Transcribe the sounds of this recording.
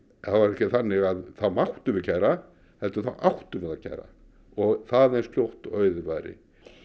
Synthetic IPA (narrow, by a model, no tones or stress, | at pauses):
θavaɾɛhcɪθanːɪɣaðθaðmawht̪ʏvʏcʰajɾa | hɛlt̪ʏθaʔawht̪ʏmɛðacʰa̰jɾa̰ | ɔɣθaðɛjnsljowht̪œːɥðɪvaːjɾɪ̰